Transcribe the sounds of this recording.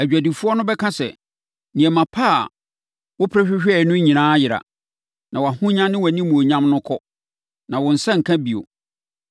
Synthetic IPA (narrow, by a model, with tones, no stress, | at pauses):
æ˨d͡ʑᶣæ˨di˨fu˦ɔ˦nʊ̃˦bɛ˦kʰã˦sɛ̰˨ | nĩ˨ɛ˨mã˨pʰa˦˨ | wʊ˦pʰɾɛ˦ɕᶣɪ˦ɕᶣɛ˨nʊ̃˦ɲĩ˨nãː˦jɪ˨ɾa̰˨ | nã˨wa˨hʊ̃˦ɲã˦nɪ̃˦wæ˨nĩ˦mũ˨o˨ɲã˦mnʊ̃˦kʰɔ˦ | nã˨wʊ̃˨n̩˨sã˦ŋ̩˨kʰã˦bi˨o̰˨